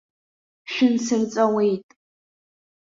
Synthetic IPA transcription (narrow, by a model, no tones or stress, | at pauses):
ʃʷᶣɪnsɨrt͡sʼɐwejtʼ